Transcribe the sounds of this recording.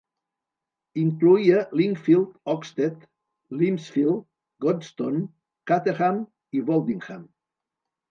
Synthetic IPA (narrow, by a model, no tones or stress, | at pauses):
iŋkluialiŋfilt̪ɔkst̪et̪ | limsfild̪ | ɡost̪on | kat̪eɣam | iβolˠd̪iŋxam